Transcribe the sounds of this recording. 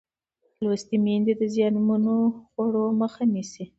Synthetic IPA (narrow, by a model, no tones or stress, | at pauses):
lwast̪imend̪ed̪əzjɑnmanoxwaɽoməxanisi